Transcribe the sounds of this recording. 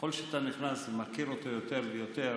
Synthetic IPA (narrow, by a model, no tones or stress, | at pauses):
o̞lʃeat̪aniχnasemakiɾot̪ojo̞t̪e̞ʁlejot̪e̞